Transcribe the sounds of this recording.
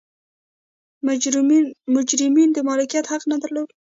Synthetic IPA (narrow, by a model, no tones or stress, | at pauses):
mʊd͡ʒɾɪmind̪əmɑlɪkijat̪haqnad̪əɾlod̪